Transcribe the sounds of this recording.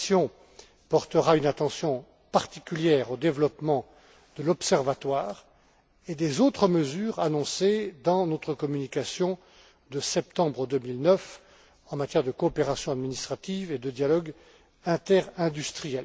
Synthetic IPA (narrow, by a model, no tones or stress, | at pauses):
sjɔ̃ | pɔʁt̪əʁaynat̪ɑ̃sjɔ̃ | paʁt̪ikʲyljɛʁod̪evlɔpmɑ̃ | d̪̥əlɔpsɛʁvat̪waːʁ | ed̪ezot̪χəməzyːʁanɔ̃sed̪ɑ̃not̪χəkɔmynikasjɔ̃ | d̪əsɛp̚t̪ɑ̃bʁəd̪ømilnœf | ɑ̃mat̪jɛʁd̪əkɔːpeʁasjɔ̃ad̪minist̪χat̪ived̪əd̪jalɔɡ | ɛ̃t̪ɛʁɛ̃d̪yst̪χijɛl